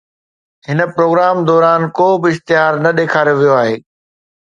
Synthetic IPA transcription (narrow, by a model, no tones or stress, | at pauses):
ɦɪnə̆pɾoːɡɾaːmd̪ɔːɾaːnkoːbɪɪxt̪ɪɦaːɾnɐɗeːkʰaːɾjoʋijoaːɦeː